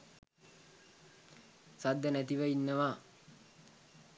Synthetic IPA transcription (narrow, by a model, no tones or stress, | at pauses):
sad̪ːənæt̪iʋəinːəʋaː